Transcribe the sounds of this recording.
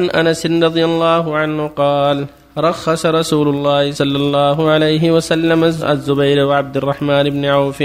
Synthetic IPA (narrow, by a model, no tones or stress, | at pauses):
anʔanasɪnɾˤɑd̪ˤɨjalˤːɑːɦʊʕanhʊqɑːl | ɾˤɑxːɑsɑɾˤɑsuːlʊlˤːɑːhsˤɑlːɑlˤːɑːɦʊʕalajɦɪwasalːamaʔa̰zːʊbajɾwɪʕab̚d̪ɪrˤːɑħmaːnɪbnɪʕaːf